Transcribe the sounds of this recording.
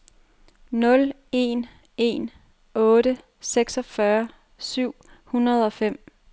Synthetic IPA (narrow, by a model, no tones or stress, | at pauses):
nɔ̽l | e̝n | e̝̰n | ɔ̽ːdə | seɡ̥sɒ̽fɶɐ | syʊ̰hunɐð̞ˠɒ̽fem̰